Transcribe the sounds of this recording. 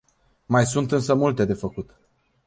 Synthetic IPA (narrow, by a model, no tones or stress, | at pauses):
majsunt̪ɨnsəmult̪e̞d̪e̞fəkut̪